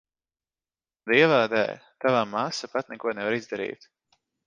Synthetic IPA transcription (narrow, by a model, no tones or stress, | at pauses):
d̪iɛvaːd̪ɛ̰ːt̪avaːmasapat̪nɛkuɔnɛvaɾizd̪aɾḭːt̪